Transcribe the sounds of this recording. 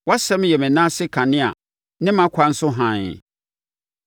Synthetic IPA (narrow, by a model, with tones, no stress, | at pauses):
wa˦sɛ̃˦m˦jɛ˨mɪ̃˨nã˦sɪ˦kʰa˨nɪ̃˦a̰˨ | nɪ̃˦mã˦kʰa˨n̩˦sʊ˦ɦã˨n̰˨